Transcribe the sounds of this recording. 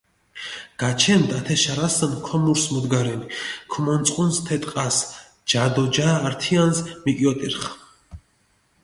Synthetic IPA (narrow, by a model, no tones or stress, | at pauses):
ɡ̥at͡ʃʰɛnd̪at̪ʰɛʃaɾasənkʰɔmuɾsmɔd̪ɡaɾɛnikʰumɔnsʼqʼunst̪ʰɛt̪ʼqʼas | d͡ʒad̪ɔd͡ʒaːɾt̪ʰianzmikʼjɔt̪ʼiɾχ